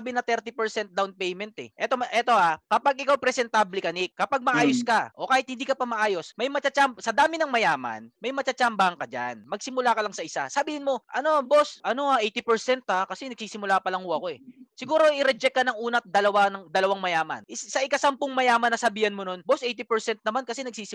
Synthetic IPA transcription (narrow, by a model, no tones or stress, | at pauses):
bɪnɐt̪ɛɾt̪ipɛɹsɛnt̪̚d̪awnpɛjmɛnt̪ɛ̰ʔɛt̪oʔɛt̪o̞ʔakɐpaɡʔɪkawpɾɛsɛnt̪ablɪkɐnɪkkːɐpaɡ̚mɐʔaːjoskaʔo̞kaːhɪt̪̚hɪnd̪iːkɐpɐmɐʔaːjo̞smɐjmɐt͡ʃɐt͡ʃamsɐd̪aːmɪnɐŋmɐjaːmɐ̰nmɐjmɐt͡ʃɐt͡ʃambahɐŋkɐd͡ʒa̰nmɐɡ̚sɪmʊlaːkɐlɐŋsɐʔɪsa̰sɐbiːhɪnmo̞ʔɐno̞bosʔɐno̞aʔejt̪ɪpɛɹsɛnt̪akɐsɛnɐɡ̥̚siːsɪmʊlaːpɐlɐŋhʊɐko̞ɛsɪɡuːɾo̞ʔɪɾɛd͡ʒɛkːɐnɐŋuːnɐt̪̚d̪ɐlɐwanɐŋd̪ɐlɐwaŋmɐjaːmɐ̰nʔɪsɐʔɪkasɐmpʊŋmɐjaːmɐnːɐsɐbiːhɐnmono̞nbosʔejt̪ipɛɹsɛnt̪̚nɐmankɐsɛnɐɡ̚siːsɪ